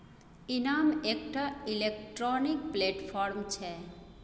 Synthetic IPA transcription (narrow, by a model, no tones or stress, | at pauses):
inamekʈailekʈɾɔnikpleʈpʰɔɾmt͡ɕʰe